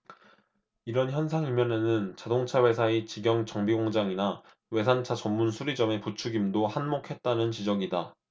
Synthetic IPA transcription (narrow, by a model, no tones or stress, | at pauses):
iɾʌnçjʌnsʰaŋimjʌne̞nɯnt͡ɕadoŋt͡ɕʰawe̞sʰaet͡ɕiɡjʌŋt͡ɕʌŋbiɡoŋd͡ʑaŋina | we̞sʰant͡ɕʰat͡ɕʌmːunsʰuɾid͡ʑʌme̞put͡ɕʰuɡimdohanmokʰe̞t̚t͈anɯnt͡ɕid͡ʑʌɡida